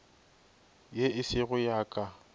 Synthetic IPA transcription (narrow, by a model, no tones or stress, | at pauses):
jeɪsɪɣʊjaːkʼa